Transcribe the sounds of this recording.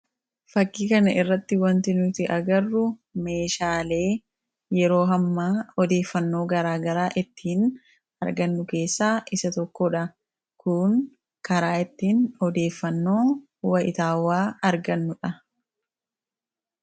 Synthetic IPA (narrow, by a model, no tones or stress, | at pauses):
fɐkːiːkɐnɐʔɪrːɐt̪ːɪwɐnt̪ɪnʊt̪ɪʔɐɡɐrːʊme̞ːʃaːle̞ː | jɛɾo̞ːɦɐmːaːɔd̪e̞ːfːɐnːo̞ːɡɐɾaːɡɐɾaːʔɪt̪ːiːn | ɐɾɡɐnːʊke̞ːsːaːʔɪsɐt̪ɔkːɔᶑɐ | kʊŋ | kɐɾaːɪt̪ːiːnɔd̪e̞ːfːɐnːo̞ː | wɐʔɪt̪aːwːaːɐɾɡɐnːʊᶑɐ